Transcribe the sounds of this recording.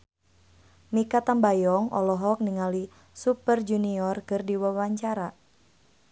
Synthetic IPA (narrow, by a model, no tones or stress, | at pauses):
mikat̪ambajɔŋʔɔ̰lɔɦɔk̚niŋali | supərd͡ʒuniɔrkɨrdiwawaɲt͡ʃaɾa